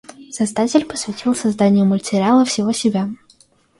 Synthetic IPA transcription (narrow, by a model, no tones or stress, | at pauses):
sɐzd̪atʲɪlʲpə̥svʲɪtʲʰilˠsɐzd̪anʲɪjʊmətʲɪɾʲɪalˠəfsʲɪvosʲɪbʲa